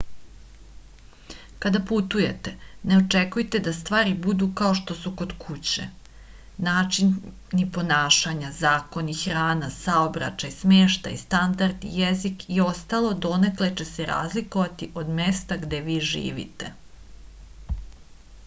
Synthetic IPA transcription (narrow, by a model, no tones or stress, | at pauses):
kad̪aput̪uje̞t̪eneo̞t͡ʂekujt̪ed̪ast̪ʋaːɾibud̪ukao̞ʃt̪o̞suko̞d̪kʰut͡ɕḛ | naːt͡ʃin | nipo̞naːʃaɲazaːko̞nixɾaːnasaobɾa̰t͡ʃajsmeːʃt̪a̰jist̪and̪aɾd̪ḭjezikio̞st̪alo̞d̪o̞nekle̞t͡ɕeseɾa̰ːzlikoʋat̪iʔo̞d̪me̞st̪aɡd̪e̞ʋiːʒḭːʋḭt̪e